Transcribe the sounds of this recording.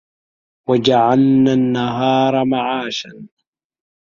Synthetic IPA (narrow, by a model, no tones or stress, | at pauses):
wad͡ʒaʕalnanːaɦɑːɾˤɑmaʕaːʃan